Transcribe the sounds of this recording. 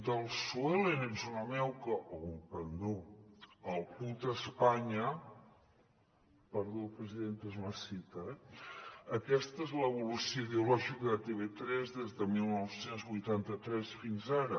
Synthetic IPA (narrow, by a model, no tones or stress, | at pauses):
d̪əlˠsuɛlenezunəmɛwkəʔoɣumpənd̪o | əlˠput̪əspaɲə | pəɾðopɾəziðent̪ezməsit̪əɛ | əkɛst̪əezləβulusioiðeulɔʒikðət̪eβet̪ɾɛzðezðəmilˠnɔwsenzβujt̪ant̪ət̪ɾɛsfinzaɾə